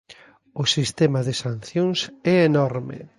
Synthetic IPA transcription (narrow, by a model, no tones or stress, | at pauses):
ʊsist̪ɛmaðɪsanθjoŋsɛenɔɾmɪ̰